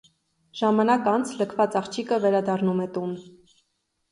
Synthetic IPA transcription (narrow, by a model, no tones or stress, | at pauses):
ʒ̥ɑmɑnɑkɑnt͡sʰləkʰvɑt͡sɑχt͡ʃʰikəvɛɾɑd̪ɑrnumɛt̪un